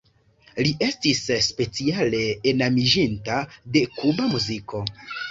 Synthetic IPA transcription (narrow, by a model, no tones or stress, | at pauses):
liʔe̞stisspe̞t͡siale̞ːnamiʒintade̞kubamuziko̞